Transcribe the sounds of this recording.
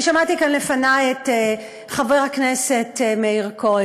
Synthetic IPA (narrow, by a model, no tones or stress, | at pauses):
ʃamatikanle̞fanajete | χaveʁhaknese̞tmeiʁko